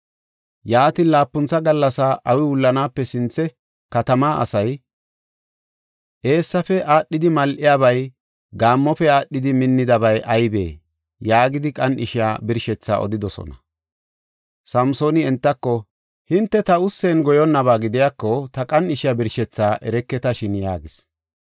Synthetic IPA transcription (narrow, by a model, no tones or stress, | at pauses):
jaːt̪iːnlaːpːʊnt͡sːɐɡɐlːɐsaʔɐwɪwʊlːɐnaːpːɛsɪnt͡sːɛ | kɐt̪ɐmaːʔɐ̰sɐj | ʔe̞ːsːɐfɛʔaːɗːɪd̪ɪmɐlʔɪjaːβɐj | ɡaːmːɔfɛaːɗːɪd̪ɪmɪnːɪd̪ɐbɐjʔɐjbḛː | jaːɡɪd̪ɪkʼɐnɪʃɪja̰ːbɪɾʃɛt͡sːa̰ːʔɔ̰d̪ɪd̪ɔsɔ̰nɐ | sɐmso̞ːnɪɛnt̪ːɐkːɔ | hɪnt̪ːɛt̪ɐʊsːenɡɔjɔnːɐβaːɡɪd̪ɪjakːɔt̪ɐkʼɐnɪʃɪjaːbɪɾʃɛt͡sːaːʔɛɾɛkːɛt̪ɐʃɪnjaːɡɪs